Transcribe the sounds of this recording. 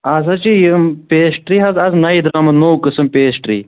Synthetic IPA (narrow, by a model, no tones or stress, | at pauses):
ɐzɐt͡ʃijpeːsʈɾiɦɐzɐznɐjd̪ɾaːmɐd̪noːwkɨsɐmpeːsʈɾḭː